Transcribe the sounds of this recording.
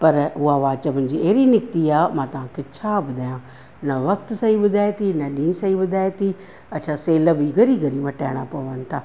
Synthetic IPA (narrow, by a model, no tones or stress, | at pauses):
pəɾʊaːʋaːt͡ʃəbənd͡ʒiːeːɾiːnɪk̚t̪iːaːmãːt̪ʊɦãːkɪt͡ʃʰaːbəd̪aːjãː | nəʋək̚t̪səiːbəd̪aːjt̪iːnəɗĩːsəiːbəd̪aːjt̪iː | ətːʃʰaːseːləbiːɡəɾiːɡəɾiːmãːʈɛːɽ̃aːpəʋənt̪ʰaː